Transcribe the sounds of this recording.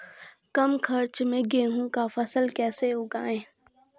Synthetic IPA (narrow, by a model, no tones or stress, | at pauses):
kɐmkʰɐɾt͡ʃmẽɡeːɦũkafɐsəlkɛːseʊːɡa̰ːẽː